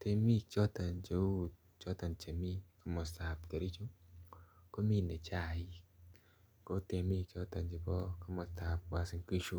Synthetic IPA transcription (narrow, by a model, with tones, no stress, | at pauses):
te˧mi˦t͡ʃɔ˦ta˨nd͡ʒe˨u˦d̚ | t͡ʃɔ˦ta˨nt͡ʃe˨mi˦ka˦mɔ˨sta˨p̚ke˨ɾi˦t͡ʃu˦ | ko˦mi˦ne˨t͡ʃa˦˨i˦ | ko˦te˨mi˦t͡ʃɔ˦ta˨nd͡ʒe˨bɔ˦ka˦mɔ˨sta˨p̚wa˨si˦ŋki˦ʃu˦